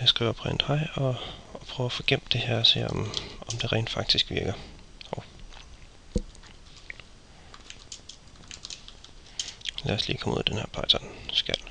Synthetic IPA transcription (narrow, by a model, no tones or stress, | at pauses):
jɑsɡ̥ʁḭːʊɐɒpʰʁɛn̰d̥hɑ̈ɪɒɒpʰʁ̥œʊæfɔɡ̥em̰b̥d̥e̝hæɐɒse̝ːɒmɒ̽md̥e̝ʁɛ̰ɪnd̥fɑ̈ɡ̥̚d̥isɡ̥ʋiɐɡ̥ɐɒʊ | læɐslḭːkʰɒ̽mṵð̰ˠd̥enheɐ̰pʰɑ̈ɪt͡sʰɒnsɡ̥æl̰